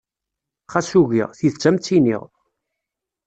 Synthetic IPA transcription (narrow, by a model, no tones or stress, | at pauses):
χæsuʝḭʁθiðt͡sːæmt͡s̪ːinḭʁ